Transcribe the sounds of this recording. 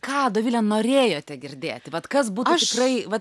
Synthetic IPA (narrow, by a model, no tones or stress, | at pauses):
kɑːd̪oːʋʲiːlʲɛnoːɾʲeːjoːt̪ʲɛɡʲɪrʲd̪ʲeːt̪ʲɪʋɐt̪kɐs̬buːt̪ʊɐʃt̪ʲɪkrɐɪʋɐt̪